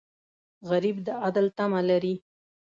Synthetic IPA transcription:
ɣaɾibd̪əad̪əlt̪amalaɾi

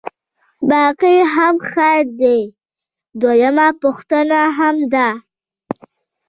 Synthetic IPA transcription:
bɑqiɦamxaɾd̪e | d̪wajamapʊxt̪ənaɦamd̪a

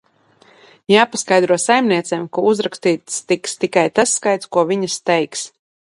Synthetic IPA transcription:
jaːpaskajd̪ɾuɔsajmniɛt̪sɛːmkuuzɾakst̪iːt̪st̪ikst̪ikajt̪asːkajt̪skuɔviɲɐst̪ɛjks

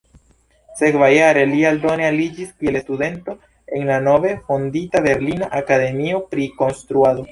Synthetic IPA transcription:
se̞kvajaɾe̞lialdo̞nealid͡ʒiskie̞lestude̞nto̞ | enlano̞ve̞fonditabe̞ɾlinaʔakade̞mio̞pɾiko̞nstɾuado̞

